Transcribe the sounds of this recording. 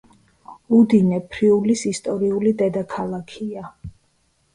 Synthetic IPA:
ud̪inɛpʰɾiulisist̪ʼɔɾiulid̪ɛd̪akʰalˠakʰia

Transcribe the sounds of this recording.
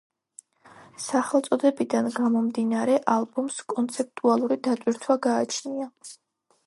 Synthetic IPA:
saχɛlˠt̪sʼɔd̪ɛbid̪anɡamɔmd̪inaɾɛʔalˠbumskʼɔnt̪sʰɛp̚t̪ʼualˠuɾid̪at̪ʼwiɾt̪ʰwaɡaːt͡ʃʰnia

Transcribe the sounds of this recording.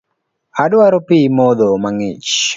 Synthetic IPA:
adwaɾopimod̪omaŋɪt͡ʃ

